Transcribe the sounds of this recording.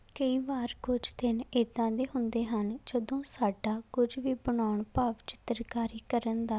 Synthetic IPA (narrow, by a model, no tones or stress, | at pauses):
kəiːʋaːɾkʊd͡ʒt̪ɪneːd̪ãːd̪eːɦʊ̃nd̪eːɦənd͡ʒəd̪õːsaːɖaːkʊd͡ʒʋiːbəɳaːʊɳpaːʋt͡ʃɪ̥t̪ɾkaːɾiːkəɾənd̪aː